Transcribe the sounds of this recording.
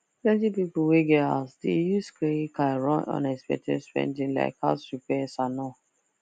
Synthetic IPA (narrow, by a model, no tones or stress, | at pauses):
plɛ̃ntipipuweɡɛa̰sdejuskɹekajɹɔ̃nɔ̰̃nɛspɛ̰k̚tʰɛ̰dspɹɛ̰̃ndĩla̰ɪkʰa̰supɛsanɔ